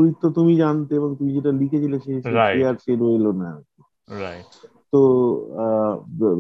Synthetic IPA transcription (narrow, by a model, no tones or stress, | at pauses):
ɾit̪ːot̪umid͡ʑant̪eeβoŋt̪umid͡ʑeʈalikʰet͡ɕʰileʃeʃeʃeaɾʃeɾoelonaoke | ɾaj | t̪o